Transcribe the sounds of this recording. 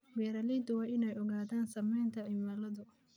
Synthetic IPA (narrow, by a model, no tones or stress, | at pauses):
wɛːɾɐliːd̪ʊwaːʔɪnɛjʔɔɣaːðaːnsɐmɛjnt̪ʰɐɪmalɐðʊ